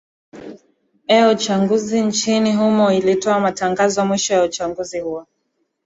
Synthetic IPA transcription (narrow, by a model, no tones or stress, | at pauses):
ɛut͡ʃaŋɡuzint͡ʃiniɦumɔilitɔamataŋɡazɔmwiʃɔjaut͡ʃaŋɡuzihuɔ